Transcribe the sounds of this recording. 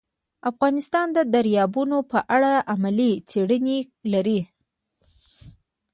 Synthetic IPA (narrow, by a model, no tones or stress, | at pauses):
afɣɑnɪst̪ɑnd̪əd̪aɾjɑbunopəʔaɽaʔamalit͡seɽəne | laɾi